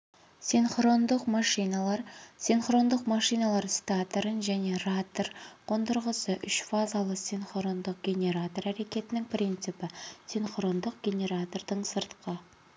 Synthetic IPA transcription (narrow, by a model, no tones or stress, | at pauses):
sinχro̞nd̪əqmɑʃijnɑlˠɑɾsinχro̞nd̪əqmɑʃijnɑlˠɑɾsʲt̪at̪ɾənʒæne̞rat̪orqʰo̞nd̪əɾʁəsəʔʏʃfazalˠəsinχro̞nd̪əq̚ɡʲe̞nʲe̞ɾat̪o̞ræɾe̞kʲe̞t̪ɪnɪŋprint̪sɨpɪsinχro̞nd̪əq̚ɡʲe̞nʲe̞ɾat̪o̞rd̪əɴsəɾt̪qʰə